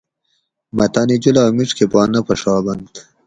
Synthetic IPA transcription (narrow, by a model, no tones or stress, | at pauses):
mɐt̪ɑnid͡ʑulɑːmiʈ͡ʂkʰepɑːnːɐpɐʂɑːbɐnt̪